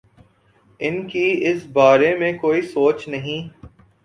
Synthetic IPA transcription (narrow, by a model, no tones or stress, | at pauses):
ɪnkiɪsbaːɾemẽkoːisoːt͡ʃnɐɦĩː